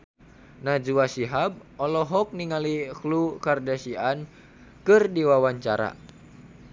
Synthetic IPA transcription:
nad͡ʒuasiɦab̚ɔlɔɦɔk̚niŋaliklukardasian | kɨrdiwawaɲt͡ʃa̰ɾa̰

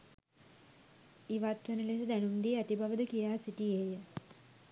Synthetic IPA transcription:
iʋat̪ʋənəlesəd̪ænumd̪iæt̪ibaʋəd̪əkijaːsiʈiejə

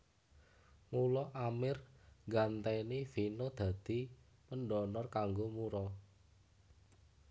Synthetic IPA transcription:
mulɔʔamɪrɡant̪ɛnifinod̪̥ä̤d̪̥i̤ | pənɖɔnɔrkaŋɡomuɾɔ

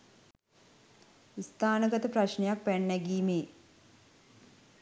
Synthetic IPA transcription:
st̪ʰaːnəɡət̪əpraʃnejak̚pænːɛɡiːmeː

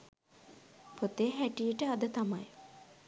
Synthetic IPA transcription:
pot̪eɦæʈijəʈəad̪ət̪ama̰j

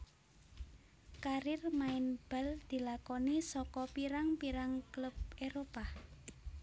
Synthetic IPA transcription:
kaɾɪrmaɪnb̥a̤ld̪̥i̤lakɔnisɔkɔpiɾaŋpiɾaŋkləp̚eɾopa

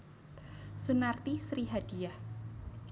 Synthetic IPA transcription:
sunart̪isɾiɦad̥iah

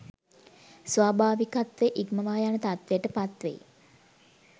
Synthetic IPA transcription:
sʋaːbʱaːʋikat̪ʋeʔikməʋaːjanət̪at̪ʋejəʈəpat̪ʋḛ

